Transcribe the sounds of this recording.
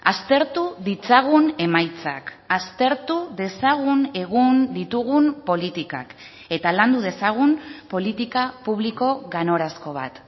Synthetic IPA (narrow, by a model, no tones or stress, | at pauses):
ast̪e̞ɾt̪uðit͡saɣ̞une̞majt͡sa̰k | ast̪e̞ɾt̪uðe̞saɣ̞une̞ɣ̞und̪it̪uɣ̞umpo̞lit̪ika̰k | e̞t̪aland̪uðe̞saɣ̞umpo̞lit̪ikapuβ̞liko̞ɣano̞ɾasko̞β̞a̰t̪